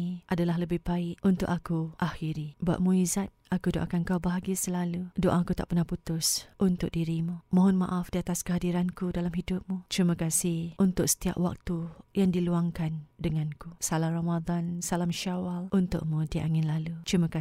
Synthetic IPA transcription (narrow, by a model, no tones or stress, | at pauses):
ʔadalaɦləbɪhbaɪʔʔunt̪ʊʔ̚akuʔaxiɾiba̰ʔmũizat̪̚akudoʔa̰kankawbaɦaɡiasəlaludoʔakut̪a̰ʔpərnahput̪ʊsʔunt̪ʊk̚diɾimumɔ̃ɦɔnmã̰ʔafdiat̪askəɦadiɾankudalamɦidʊp̚mut̪ɾimə̃kasɪhʔunt̪ʊksə̥t̪ia̰p̚wa̰k̚t̪ujaŋdiluaŋkandəŋãnkusalamramad̪ansalamʃawalʔunt̪ʊ̰ʔmũdiaʔaŋɪnlalut̪ɾimə̃ka